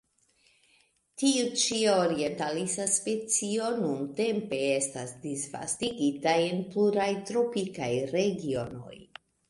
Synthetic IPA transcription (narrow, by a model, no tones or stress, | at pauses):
tiut͡ʃiaoɾie̞ntalisaspe̞t͡sio̞nunte̞mpe̞e̞stasdisva̰stiɡitaje̞npluɾajtɾo̞pikajɾe̞ɡio̞no̞̰j